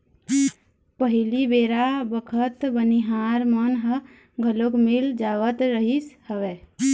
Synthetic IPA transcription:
pəɦilibeɾabəkʰət̪bəniɦaɾmənɦə | ɡʱəlokmild͡ʒaʋət̪ɾəɦishəʋɛ

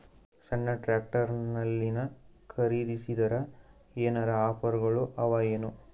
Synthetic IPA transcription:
sɐɳːɐʈɾaːk̚ʈɐɾnɐlːinɐkʰɐɾid̪isid̪ɐɾɐ | eːnɐɾɐaːpɐɾɡɐɭuʔɐʋaːjɐnu

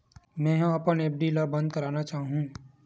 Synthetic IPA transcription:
mɛ̃ːɦɐpəneːp̚ɖilabɐ̃nd̪̚kɐɾaːnat͡ʃaːɦɦũː

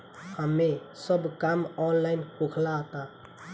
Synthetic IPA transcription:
həmesəbkamɔnlaɪnpokʰlaɦt̪a

